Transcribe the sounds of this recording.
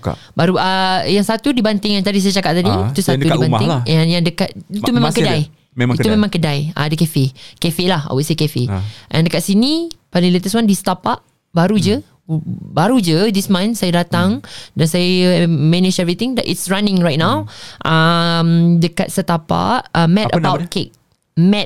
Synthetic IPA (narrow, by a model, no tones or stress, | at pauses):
baɾuʔajaŋsat̪udibant̪ɪŋɛ̃nt̪̬adis̬ajat͡ʃakaʔ̚t̪adiit̪usat̪udibanɪɛ̃njaŋdəkaʔiumẽmãŋkədaj | ik̪umẽmãŋkədaja̰dəkɛfekɛfelaha̰weʔsekɛfeʔɛ̰̃ndəkaʔsinipalɪŋlet̪əswandist̪apaʔ | baɾud͡ʒə | baɾud͡ʒədismãnsajadat̪ãŋdãnsajmɛnid͡ʒɛvɹit̪ɪ̃ŋdaʔitsɹanɪ̃ŋɹajt̚nãwʔamdəka̰tsət̪apa̰ʔamɛ̃təbawt̚kek̚ | mɛt̚